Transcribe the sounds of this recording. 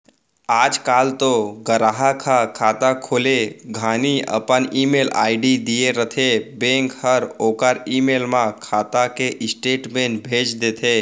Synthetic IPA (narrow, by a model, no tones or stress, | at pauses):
aːd͡ʒkaːlt̪oɡəɾaːɦakʰakʰaːt̪akʰoːleɡʱaːniə̰pəniːmeːla̰ːɪɖid̪ijeɾət̪ʰebẽːŋkhəɾoːkəɾiːmeːlmãkʰaːt̪akeʔɪsʈeːʈmẽːɳbʱeːt͡ʃd̪eːt̪ʰeː